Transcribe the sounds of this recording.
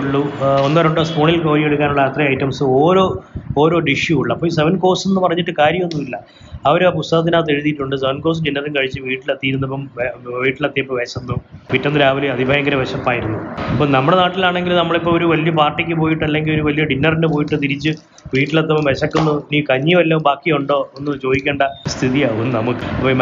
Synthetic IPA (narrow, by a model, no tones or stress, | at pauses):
ɭːuonːaːɾuɳɖɨspuːɳilko̞ːɾieɽuk̬ʲːaːnuɭːɐɐt̪rɐɐjʈːɐmsɨo̞ːɾo̞ːoːɾo̞ːɖiʂjuuɭːɐpːoːiseʋɐnko̞ːsenːɨpɐrɐɲːiʈːɨkaːɾjɐmonːumilːɐ | ɐʋɐɾp̬ust̪ɐɣɐt̪̬ːinaːt̪ːe̞ɻuðijiʈːuɳɖɨseʋɐnko̞ːs̬ɖinːɐrinkɐɻit͡ɕːɨʋiːʈːilɐt̪ːijːɾunːɐpːɐmʋiːʈːilɐt̪ːijɐpːoʋeɕɐnːuʋitːonːɨɾaːʋɐliɐðʱibʱaːjɐŋɡɐɾɐʋeɕɐpːaːjiɾunːuɐpːoːnɐmːuɽenaːʈːilaːɳe̞ŋɡilnɐmːɐɭipːoːoɾuʋɐlijɐpaːrʈːikʲːɨpo̞ːjiʈːɨɐlːe̞ŋɡilo̞ɾuʋɐlijɐɖinːɐrinɨp̬o̞ːjiʈːɨt̪iɾit͡ɕːɨ | ʋiːʈːilɐt̪ːɐpːɐmʋeɕɐkːunːuniːkɐɲːijumɐlːɐmbaːkːijoɳɖo̞ːonːɨt͡ɕo̞ːðikʲːeːɳɖɐst̪ʰiðijaːɣunːɨnɐmukːɨɐpːoː